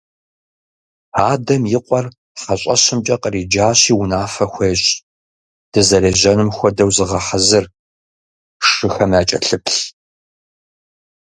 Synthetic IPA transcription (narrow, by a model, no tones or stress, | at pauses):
aːdɐmjɪqʷʼɔr | ħɐɕʼɐɕɪmt͡ʃʼɐqəriːd͡ʒaːɕiːwʊnaːfɐxʷejɕʼ | d̥ɨzɐɾeːʑɐnɨmxʷɔdɐwzɨʁɐħazɨr | ʂɨxɐmaːt͡ʃʼɐ̰ɬɨpʰɬ